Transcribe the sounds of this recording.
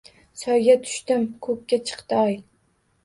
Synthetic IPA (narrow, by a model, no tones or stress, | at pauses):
sɒjɡʲat̪ʰʊ̥ʃt̪ɪmkʰɵkʲːat͡ʃʰɨ̥qt̪ɪɒj